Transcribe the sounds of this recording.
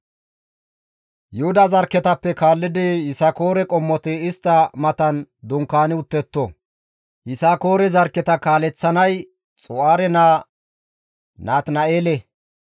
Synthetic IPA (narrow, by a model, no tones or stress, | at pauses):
jʊhʊd̪ɐzɐɾkːɛt̪ɐpːɛkaːlːɪd̪ejɪsako̞ːɾɛkʼɔmːɔt̪ɛɪst̪ːɐmɐt̪ɐnd̪ʊŋkːaːnɪʊt̪ːɛt̪ːɔ | hɪsako̞ːɾɛzɐɾkːɛt̪ɐkaːlɛt͡sːɐnɐj | t͡sʼʊaːɾɛnaː | naːt̪nɐeːlɛ